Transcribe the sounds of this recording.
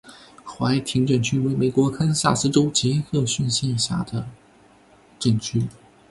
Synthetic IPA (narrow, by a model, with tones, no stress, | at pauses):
xwa˧˥ɪt̪ʰi˧˥ŋʈ͡ʂə˨˩nt͡ɕʰy˥we˧˥ɪme˨˩ɪkwɔ˧˥kʰə˥nɕja˥˩sɹ̩˥ʈ͡ʂo˥ʊt͡ɕi˧˥xɤ˥˧ɕy˥˧nɕjɛ˥˧nɕja̰˥˩d̪ə˩ | ʈ͡ʂə˥˨˩nt͡ɕʰy˥